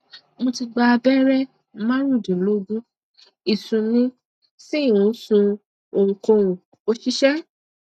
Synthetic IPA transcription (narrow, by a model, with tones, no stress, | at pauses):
mõ˧ti˧ɡ͡ba˧bɛ˦ɾɛ˦ | mã˦ɾ̃ũ˦˨dĩ˨lo˦ɡũ˦ | i˨sũ˨nĩ˦ | si˦˨wũ˨˦sũ˧ | o˨ŋ̩˨ko˧ũ˨ | o˧ʃi˦ʃɛ˦